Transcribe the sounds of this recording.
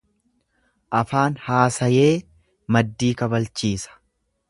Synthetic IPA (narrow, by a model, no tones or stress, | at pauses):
ʔɐfaːnhaːsɐje̞ː | mɐd̪ːiːkɐbɐlt͡ʃiːsɐ̥